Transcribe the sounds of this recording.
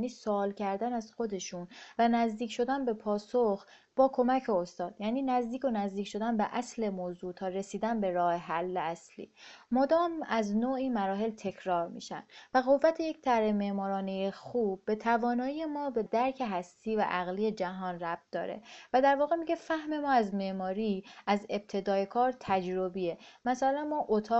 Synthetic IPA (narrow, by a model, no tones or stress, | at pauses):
niːsoːlcʰæɾd̪ænæzxo̞d̪e̞ʃunvænæzd̪iːcʰʃo̞d̪ænbe̞pʰɒːsox | b̥ɒːkʰo̞mæcʰeost̪ɒːd̪̥jæːniːnæzd̪iːcʰo̞næzd̪iːcʰʃo̞d̪ænbeʔæsle̞moːzuːt̪ʰɒːre̞siːd̪ænbe̞ɾɒːheɦælːeæslḭːmod̪ɒːmæznoːiːmæɾɒːɦe̞lt̪ʰe̞cʰɾɒːɾmḭːʃæ̰nvæɣo̞vːæt̪ʰeje̞ct̪ʰæɾheme̞ʔmɒːɾɒːnejexuːb̚ːe̞t̪ʰævɒːnɒːije̞mɒːbe̞d̪æɾcʰe̞ɦæst̪ʰiːvæ̰ʔæɣlije̞d͡ʒæɦɒːnræb̚t̪̚d̪ɒ̰ːɾe̞̰væd̪æɾvɒːɣe̞miɟe̞fæhme̞mɒːæzme̞ʔmɒːɾiːæze̞b̥̚t̪ʰe̞d̪ɒːjekʰɒːɾt̪ʰæd͡ʒɾo̞biemæsælænmɒːʔot̪ʰɒː